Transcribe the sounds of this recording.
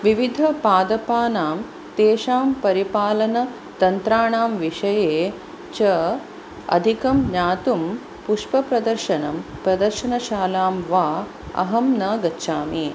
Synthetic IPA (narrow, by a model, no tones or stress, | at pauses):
ʋiʋid̪ʱɐpaːd̪ɐpaːnaːm | t̪eːʃaːmpɐɾipaːlɐnɐ | t̪ɐnt̪ɾaːɳaːmʋiʂɐjeː | t͡ʃɐ | ɐ̰d̪ʱikɐmɲaːt̪um | puʂpɐpɾɐd̪ɐɾʃɐnɐmpɾɐd̪ɐɾʃɐnɐʃaːlaːmʋaː | ɐ̰ɦɐmnɐɡɐtːʃaːmi